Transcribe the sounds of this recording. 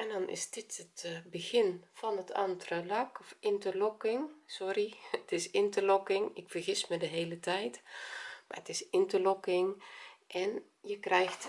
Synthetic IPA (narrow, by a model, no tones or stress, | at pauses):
ɛndɔnɪ̰sdɪtətbəxɪnfɔnətʰa̰ntrəlakɔfɪntərlɔkɪŋsɔriətɪsɪntəlɔkɪŋɪkfərxɪsmədəɦeːlətʰɛjtma̰ətɪsɪntəlɔkɪŋʔɛn | jəkrɛjxt